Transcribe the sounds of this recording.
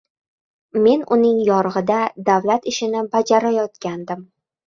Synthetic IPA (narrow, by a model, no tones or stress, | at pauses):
me̞nʊnɪŋjɒɾʁɨd̪ad̪avlat̪ɪʃɪnɪbad͡ʒaɾajɒt̪kʲand̪ɪm